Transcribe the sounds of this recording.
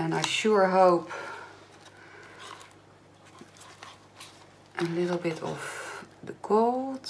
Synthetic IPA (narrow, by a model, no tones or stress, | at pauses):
ɛ̃najʃuɹɦowp | ʔənlɪtl̩ˠbɪtʰɔ̰fdəkʰolˠt